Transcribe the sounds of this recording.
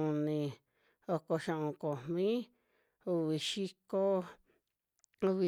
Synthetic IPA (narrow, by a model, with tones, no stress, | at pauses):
ũ˨nĩ˨˧ | o˧ko˧ʃã˧ʔõ˧ko˨mmĩ˦ | u˧βi˨ʃi˦ko˦ | u˧βi˧